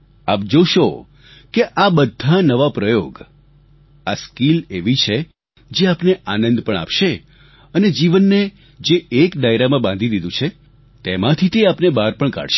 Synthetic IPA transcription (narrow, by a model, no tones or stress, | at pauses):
a̰p̚d͡ʒoʃo | keʔabəd̪ʱanəʋapɾəjoɡ | askileʋit͡ʃʰe | d͡ʒeapneʔanə̃nd̪pəɳa̰pʃe | əned͡ʒiʋənːe | d͡ʒeːkɖ̪ajɾamãbãnd̪ʱid̪id̪ũt͡ʃʰe | t̪emãt̪ʰit̪eapnebaɾpəɳka̰ɽʃe